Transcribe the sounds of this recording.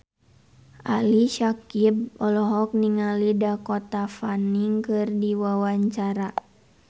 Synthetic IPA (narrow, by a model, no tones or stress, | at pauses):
aliʃakib̚ɔlɔɦɔk̚niŋalidakɔt̪afaniŋkɨrdiwawaɲt͡ʃaɾa